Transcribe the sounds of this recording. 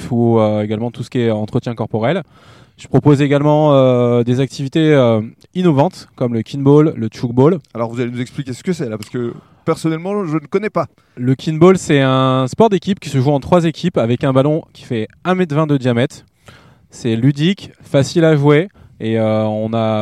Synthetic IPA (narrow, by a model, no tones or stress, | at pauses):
fuøeɡalmɑ̃t̪usə̥kʲiɛɑ̃t̪χət̪jɛ̃kɔʁpɔʁɛl | ʒ̥ə̥pχɔpozeɡalmɑ̃ød̪ezak̚t̪ʰivit̪eø | inɔvɑ̃t̪kɔmləkʰʲinbolːət̪uɡ̚bolalɔʁvuzalenuzɛksplikʲesə̥kəsɛlapaʁsə̥kə | pɛʁsɔnɛlmɑ̃ʒənəkɔnɛpa | ləkʲʰinbolsɛɛ̃spɔʁd̪ekʲipkʲi̥səʒuɑ̃t̪χwazekʲipavɛkɛ̃balɔ̃kʲi̥fɛɛ̃mɛd̪vɛ̃d̪əd̪jamɛt̪ | sɛlyd̪ikfasilaʒweeøɔ̃na